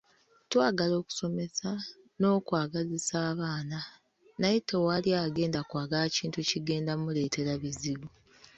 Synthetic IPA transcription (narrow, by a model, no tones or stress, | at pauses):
twaːɡalo̞ːku̥so̞me̞sa | no̞ːkwaːɡazisaːβaːna | najetewaliaːɡe̞ːndakwaːɡalaciːntuciɡe̞ːndamule̞ːtʰe̞ɾaβiziβu